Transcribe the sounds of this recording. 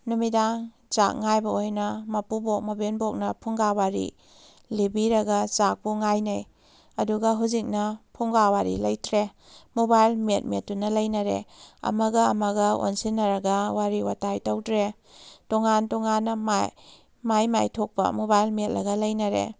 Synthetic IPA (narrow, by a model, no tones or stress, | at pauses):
numidaŋ | t͡ʃa̰k̚ŋajbɐojnɐmɐpubok̚mɐbenbok̚nɐpʰuŋɡawaɾḭ | libiɾɐɡɐt͡ʃak̚puŋajnɐj | ɐduɡɐɦuzik̚nɐpʰuŋɡawaɾḭlɐjtɾe | mobajlmet̚metːunɐlɐjnɐɾḛɐ̰mɐɡɐɐmɐɡɐo̰nsinːɐɾɐɡɐwaɾiwatajtɐwdɾe | toŋantoŋanːɐmaj | majmajtʰok̚pɐ̰mobajlmet̚ɾɐɡɐlɐjnɐɾḛ